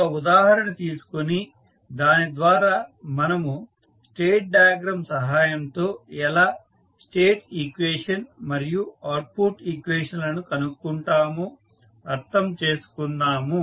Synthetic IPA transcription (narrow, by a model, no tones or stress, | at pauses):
ɐud̪aːɦɐɾɐɳɐt̪iːsu̥koni | d̪aːnid̪ʋaːɾaːmɐnɐmu | sʈeːʈ̚ɖajɐɡɾɐmsɐɦaːjɐmt̪o̞ːɛlaː | sʈeːʈikʋeːʂɐnmɐɾijuaːɾpuɾʈiːkʋeːʂɐnlɐnukɐnukːuɳʈaːmu | ɐɾt̪ʰɐmt͡ʃe̞ːsu̥kunːaːmu